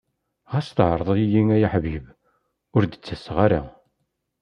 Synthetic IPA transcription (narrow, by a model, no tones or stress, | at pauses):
ʁæst̪ʕəɾˤðˤjijiŋæjaħviəb | ʊɾd̪ət͡sːəsʁaɾa̰